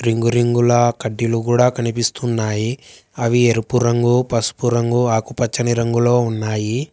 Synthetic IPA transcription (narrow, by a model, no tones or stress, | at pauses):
ɾiŋɡuɾiŋɡulɐkɐɖːiluɡuːɽaːkɐnipist̪unːaːji | ɐʋieɾupuɾɐŋɡupɐsu̥puɾɐŋɡuaːkupɐt͡ʃːɐniɾɐŋɡulo̞ːunːaːji